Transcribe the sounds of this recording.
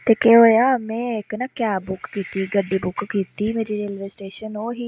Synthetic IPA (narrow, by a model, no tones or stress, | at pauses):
t̪eːkeɦoːjaːmɛ̃ːɪknaːkjaːbʊkːiːt̪iːɡəɖiːbʊkkiːt̪iːmeːɾiːɾelʋesʈeːʃənoːɦiː